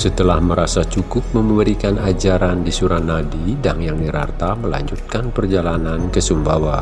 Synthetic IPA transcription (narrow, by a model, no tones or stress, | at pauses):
sət̪əlahməɾasat͡ʃukʊp̚məməɾikanad͡ʒaɾandisuɾanadidaŋjaŋniɾa̰rt̪aməla̰ɲd͡ʒut̪̚kanpərd͡ʒalanankəsumbawa